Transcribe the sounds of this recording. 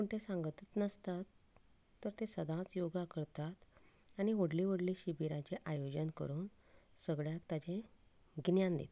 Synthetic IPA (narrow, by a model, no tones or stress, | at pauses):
kuɳʈesãŋɡət̪ət̪nəst̪at̪ː | əɾt̪esəd̪ʱãt͡sjoɡakəɾt̪at̪ | añiʋəɽliʋəɽliɕibiɾãt͡ɕeʔajod͡ʑənkə̰ɾuːn | səɡɭjakt̪at͡ɕẽ | ɡnjãnd̪ḛt̪